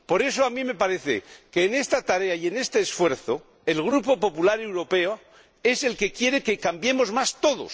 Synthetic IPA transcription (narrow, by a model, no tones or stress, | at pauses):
po̞ɾe̞soamĩme̞paɾe̞θḛkeːne̞st̪at̪aɾe̞aje̞ne̞st̪e̞ːsfwe̞ɾθo | e̞lɣ̞ɾupo̞po̞pulaɾe̞wɾo̞pe̞o | e̞se̞lke̞kje̞ɾe̞ke̞kambje̞mo̞zmast̪o̞ðo̞̰s